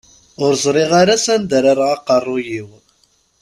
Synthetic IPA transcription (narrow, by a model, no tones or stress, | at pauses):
ʊɾzˤɾˤiʁaɾasænd̪əɾaɾʁɑqɑrˤːʊjiw